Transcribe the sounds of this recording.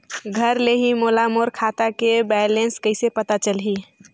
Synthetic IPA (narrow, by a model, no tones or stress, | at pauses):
ɡʱəɾleɦimoːlamoːɾkʰaːt̪akebɛlẽnskəɪsepət̪at͡ʃəlɦi